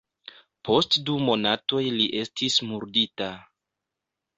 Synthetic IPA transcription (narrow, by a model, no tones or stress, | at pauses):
po̞stdumo̞nato̞jliʔe̞stʰismuɾdita